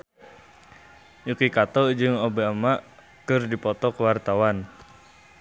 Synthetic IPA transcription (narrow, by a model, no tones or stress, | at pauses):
jukikat̪ɔd͡ʒɨŋobamaʔ | kɨrdipɔt̪ɔkəwart̪awan